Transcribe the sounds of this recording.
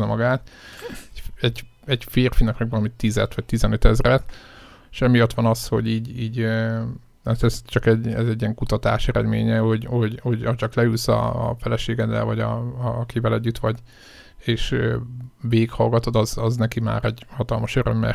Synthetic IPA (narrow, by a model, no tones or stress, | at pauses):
ɛmɒɡaːt̪ | ɛɟ | ɛɟfeːrfinɛkmɛkvɒlɒmit̪ːizɛ̰t̪ʋɒc̚t̪izɛnøt̪ɛzrɛt̪ː | ʃɛmijot̪ʋɒnɒsho̞ɟiːɟiːɟ̪ | aːt̪ɛzt͡ʃɒkɛɟːɛzɛɟːijɛŋkut̪ɒt̪a̰ːʃɛɾɛ̰d̪mḛːɲɛho̞ɟho̞ɟhoɟɒt͡ʃɒklɛyːsɒ̰fɛlɛʃeːɡɛd̪ɛ̰lvɒɟɒːkivɛlɛɟːyt̪ʋɒɟ | eːʃøveːikhɒlɡɒt̪od̪ɒzɒznɛkima̰ːɾɛɟhɒt̪ɒlmɒʃøɾømːɛ̰